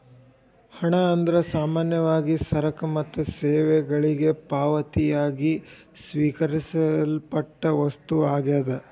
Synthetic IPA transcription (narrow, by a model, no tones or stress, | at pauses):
hɐɳɐːnd̪ɾɐsaːmaːnjɐʋaːɡisɐɾɐkɐmɐt̪ːuseːʋɛɡɐɭiɡe̞paːʋɐt̪ijaːɡi | sʋiːkɐɾisɐlpɐʈːɐʋɐst̪uaːɡeːd̪ɐ